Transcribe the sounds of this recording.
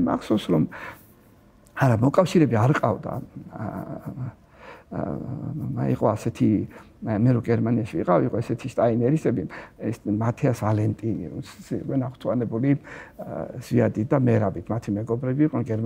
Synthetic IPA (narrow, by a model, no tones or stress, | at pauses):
ma̰kʰsɔwsɾɔm | aɾamɔkʼafʃiɾɛbiaɾqʼavd̪a̰ | aḭqʼɔasɛt̪ʰi | mɛɾɔɡɛɾmaniaʃiḭqʼaviiqʼɔɛsɛt̪ʰiʃt̪ʼainɛɾisɛbiɛsmat̪ʰɛasvalɛnt̪ʼinḭɾṵt̪sukʼɛnaχt̪ʰwanɛbuli | z̥iad̪it̪̚d̪amɛɾabit̪ʰmat̪ʰimɛɡɔbɾɛbiːqʼnɛnɡɛɾm